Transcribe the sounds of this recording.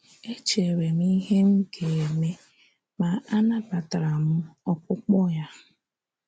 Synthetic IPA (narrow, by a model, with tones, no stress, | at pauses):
e˦t͡ʃe˨ɾe˨m˦i˦ɦe˦m̩˦ɡe˨e˨me˦ | ma˨a˦na˦ba˨ta˨ɾa˨mʊ˦ɔ˦kʊ˦k͡pɔ˦ja˦